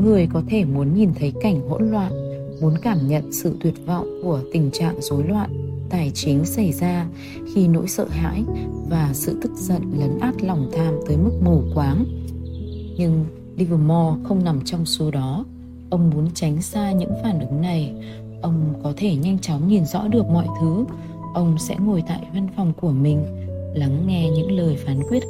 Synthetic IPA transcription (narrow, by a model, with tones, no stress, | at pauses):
ŋɨ˨˩əjkɔ˨˦t̪ʰe˧˩mu˨˦ənɲi˨˩nt̪ʰə˨˦jka˧˩jŋ̟ɦo̰˧˥nlwa̰ː˧˨n | mu˨˦ənkaː˧˩mɲə̰˧˨nsɨ̰˧˨t̪wi˨˩ət̚vɔ̰˧˨wŋ͡mku˧˩ət̪ï˨˩ŋ̟t͡ɕa̰ː˧˨ŋzo˨˦jlwa̰ː˧˨nt̪aː˨˩jt͡ɕi˨˦əŋsa˧˩jzaː˧ | xi˧no̰˧˥jsə̰ː˧˨ɦa̰ː˧˥jvaː˨˩sɨ̰˧˨t̪ɨ˦˥k̚zə̰˧˨nlə˨˦nʔaː˦˥t̚lɔ˨˩wŋ͡mt̪ʰaː˧mt̪əː˨˦jmɨ˦˥k̚mu˨˩kwaː˨˦ŋ | ɲɨ˧ŋ | li˧vəː˨˧˩mɔ˧xə˧wŋ͡mna˨˩mt͡ɕɔ˧wŋ͡mso˨˦ɗɔ˨˦ | ʔə˧wŋ͡mmu˨˦ənt͡ɕa˨˦jŋ̟saː˧ɲɨ̰˧˥ŋfaː˧˩nʔɨ˨˦ŋna˨˩j | ʔə˧wŋ͡mkɔ˨˦t̪ʰe˧˩ɲa˧jŋ̟t͡ɕɔ˨˦ŋ͡mɲi˨˩nzɔ̰˧˥ɗɨ˨˩ək̚mɔ̰˧˨jt̪ʰɨ˨˦ | ʔə˧wŋ͡msɛ̰˧˥ŋo˨˩jt̪a̰ː˧˨jva˧nfɔ˨˩wŋ͡mku˧˩əmï˨˩ŋ̟la˨˦ŋːɛ˧ɲɨ̰˧˥ŋləː˨˩jfaː˨˦nkwi˦˥ət̚